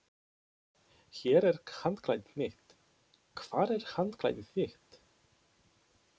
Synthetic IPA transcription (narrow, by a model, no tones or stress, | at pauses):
çɛːɾɛɾ̥hant̪kʰlajt̪nnɪht̪ | kʰv̥aːɾɛɾ̥hant̪kʰla̰jt̪nɪθɪht̪